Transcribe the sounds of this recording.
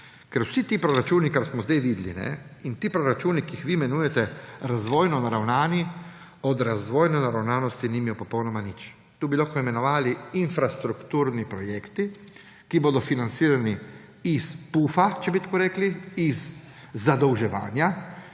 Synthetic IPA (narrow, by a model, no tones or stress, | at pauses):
kɛɾwsit̪iːpɾɔɾat͡ʃuːnikaɾsmɔzd̪ajʋid̪lḭnɛ̰int̪iːpɾɔɾat͡ʃuːnikiixʋimɛnuːjɛt̪ɛɾazʋoːjnɔnaɾawnaːni | ɔd̪ɾazʋojnɔnaɾawnaːnɔst̪inimijɔpɔpownɔmanit͡ʃ | t̪uːbiloxkɔimɛnɔʋaːliinfɾast̪ɾukt̪uːɾnipɾɔjeːkt̪i | kiboːd̪ɔfinant̪siːɾani | ispuːfat͡ʃɛbit̪ḁkoːɾeːkliːzː | ad̪ɔwʒɛʋa̰ːnja